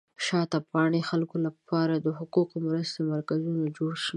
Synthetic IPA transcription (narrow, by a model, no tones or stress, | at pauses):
ʃɑt̪apɑɳexalkolapʰɑɾad̪əhʊquqmɾəst̪omaɾkazunod͡ʒoɽʃ